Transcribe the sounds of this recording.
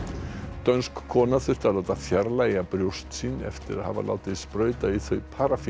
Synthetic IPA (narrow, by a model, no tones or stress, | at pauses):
t̪œnskʰːɔːnaθʏr̥t̪alaːwt̪afjaɾlaːjapɾjowst̪siːnɛ̰ft̪ɪɾa̰ðha̰va̰la̰ːwt̪ɪðspɾœːɥt̪aiθœɥpʰaːɾaf